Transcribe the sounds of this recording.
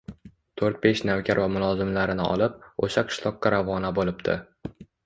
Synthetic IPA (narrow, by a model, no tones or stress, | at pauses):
t̪ʰoɾt̪̚be̞ʃnavkʲʰaɾvamʊlˠɒzɪmlaɾɪnɪɒ̰lˠɪp̚oʃaqʰɨ̥ʃlˠɒqːɑɾavɒnabolɪpt̪ʰɪ̰